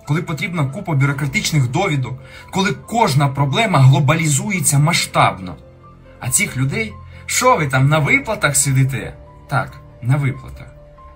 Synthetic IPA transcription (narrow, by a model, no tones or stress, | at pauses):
kɔlˠɪpɔt̪ɾʲibnɐkupɔbʲjʊɾɔkɾɐt̪ɪt͡ʃnɪxd̪ɔʋʲid̪ɔkkɔlˠɪkɔʒnɐpɾɔblˠɛmɐɦlˠɔbɐlʲizujet͡sʲːɐmɐʃt̪ɑbnɔ̰ | ɐ̰t͡sʲixlʲʊd̪ɛjʃt͡ʃɔʋɪt̪ɑmnɐʋɪplˠɐt̪ɐxsʲɪd̪ɪt̪̬ɛ | t̪ɑ̰k | nɐʋɪplˠɐ̰t̪ɐx